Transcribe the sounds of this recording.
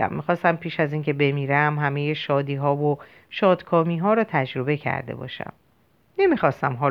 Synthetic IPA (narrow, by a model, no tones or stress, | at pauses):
æ̰mːixɒːst̪æmpʰiːʃæziːŋce̞be̞miːɾæmɦæmejeʃɒːd̪iːɦɒːvo | ʃɒːd̪̥kʰɒːmiːɦɒːɾɒːt̪ʰæd͡ʒɾo̞be̞cʰæ̰ɾd̪e̞̰bɒ̰ːʃæ̰m | ne̞mixɒːst̪æmɦɒː